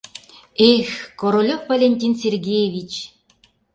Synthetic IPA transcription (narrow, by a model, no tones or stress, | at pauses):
exʲkoɾolʲofvɐlʲenʲtʲinsʲerɡʲejevʲit͡ɕ